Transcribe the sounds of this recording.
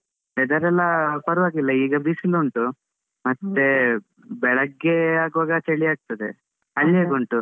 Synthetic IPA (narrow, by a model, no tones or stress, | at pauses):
ɛd̪ɐɾɛlːɐpɐɾuʋaːɡilːɐiːɡɐbisiluɳʈu | mɐt̪ːe | bɛɭɐɡːeaːɡuʋaːɡɐt͡ʃeɭiaːɡ̚t̪ɐd̪ḛ | ɐlːeːɡuɳʈu